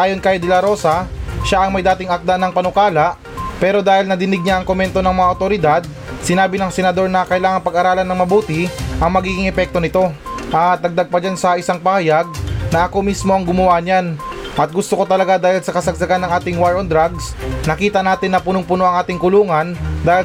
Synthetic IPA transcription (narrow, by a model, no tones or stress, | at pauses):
ʔaːjo̞nkɐjd̪ɛlɐɾo̞ːsɐʃaʔɐŋmɐjd̪aːt̪ɪŋɐk̚d̪anɐŋpɐnʊkaːlɐʔ | pɛːɾo̞d̪aːhɪlnɐd̪ɪnɪɡ̚ɲaʔɐŋkomɛnt̪o̞nɐŋmɐŋaot̪o̞ɾɪd̪ad̪̚ | sɪnaːbɪnɐŋsɛnɐd̪o̞ɾnɐkɐʔɪlaːŋɐŋpɐɡɐɾaːlɐnɐŋmɐbuːt̪ɪʔɐŋmɐɡiːɡɪŋʔɛpɛk̚t̪o̞nɪt̪o̞ʔat̪̚ɐɡ̚d̪aɡ̚pɐd͡ʒansɐʔɪsaŋpɐhɐjaɡ̚nɐʔɐko̞mismoɐŋɡʊmɐwaʔɲan | ʔɐt̪̚ɡʊst̪oko̞t̪ɐlɐɡad̪aːhɪlsɐkɐsɐɡ̚sɐɡanːɐŋʔaːt̪ɪŋwaɹond̪ɾaɡsnɐkiːt̪ɐnaːt̪ɪnːɐpʊnʊŋpʊnoʔɐŋʔaːt̪ɪŋkʊluːŋɐnd̪aːhɪ